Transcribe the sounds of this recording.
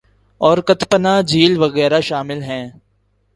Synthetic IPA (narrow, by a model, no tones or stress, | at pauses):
ɔːɾkɐt̪pənaːd͡ʒiːlʋɐɣɛːɾaʃaːmɪlɦɛ̃ː